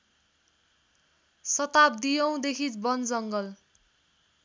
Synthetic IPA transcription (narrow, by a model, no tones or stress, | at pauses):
sʌt̪ap̚d̪ijʌw̃d̪ekʰit͡sbʌnd͡zʌŋɡʌl